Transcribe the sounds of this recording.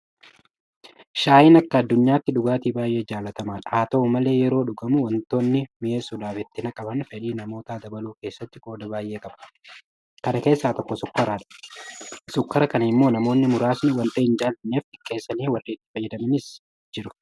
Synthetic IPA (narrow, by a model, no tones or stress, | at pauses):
ʃaːjɪnɐkːɐːd̪ːʊɲːaːt̪ːɪᶑʊɡaːt̪iːbaːjʔe̞ːd͡ʒaːlɐt̪ɐmaːᶑaːt̪oʊmɐle̞ːjɛɾo̞ːᶑʊɡɐmʊwɔnt̪o̞ːnːɪmɪʔeːsud̪aːfɪt̪ːɪnɐkʼɐbɐnfɛᶑiːnɐmo̞ːt̪aːd̪ɐbɐluːke̞ːsːɐt̪ːɪɡo̞ːd̪ɐbaːjʔe̞ːkʼɐb̥ɐ̥ | kɐnɐke̞ːsːaːt̪ɔkːɔsʊkːɐɾaːᶑɐ̥ | sʊkːɐɾɐkɐnɐɪmːo̞ːnɐmo̞ːnːɪmʊɾaːsnɪwɐnt̪ɐɪnd͡ʒaːlɐnːeːfɪkːe̞ːsːɐniːwɐrːiːɪt̪ːɪ̥fɐjːɛd̪ɐmɪnɪs | d͡ʒɪɾʊ̥